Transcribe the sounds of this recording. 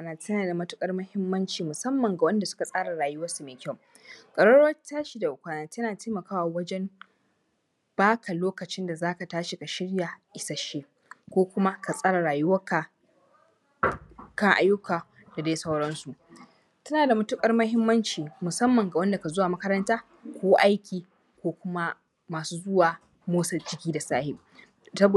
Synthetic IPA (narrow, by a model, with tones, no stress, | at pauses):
a˦naː˦˨tɐ˦naː˨da˨mʊ˦tʊ˦kʼɐ˦rmɐ˦hɪ˦mːɐ˦nt͡ʃiː˨mʊ˨sɐ˦mːɐ˨ŋɡa˨wɐ˦nda˨sʊ̥˦ka˨sʼaː˦ɽa˨ɽaː˨jʊ˦wɐ˦su˨meː˨kʲɐ˦˨ŋ | kʼɐ˨ɽɐ˦ɽɐ˦taː˦ʃi˨da˨ʔʊ˨kʷaː˦naː˨tɐ˦naː˨teː˦mɐ˨kaː˦wa˨wɐ˦d͡ʒɛ˦m | b̥aː˦kʰa˨loː˦kɐ˨t͡ʃɪ˦nda˨zaː˦ka˨taː˦ʃi˨ka˨ʃɪ˦ɽja˨ʔɪ˨sa˨ʃiː˦ | kʷoː˦kʷʊ˦ma˦ka˨sʼaː˦ɽa˨ɽaː˨jʊ˦wɐ˦ka˨ | kɐ˦ŋʔa̰˦jːʊ˦kʰaː˨ | d̥a˨da˦jsɐ˦wɽɐ˦nsu˨ʔ | tɐ˦naː˨da˨mʊ˦tʊ˦kʼɐ˦rmɐ˦hɪ˦mːɐ˦nt͡ʃiː˨mʊ˨sɐ˦mːɐ˨ŋɡa˨wɐ˦nda˨ka˨zo˦waː˨mɐ˦kɐ˦ɾɐ˦ntaː˦ | kʷoː˦ʔa˦jkʲiː˨ | kʷoː˦kʷʊ˦ma˦ | maː˨suː˦zʊ˦waː˨ | moː˦sɐ˨d͡ʒɪ˦kʲiː˦da˨saː˦hɪ˨ʔ | sɐ˦b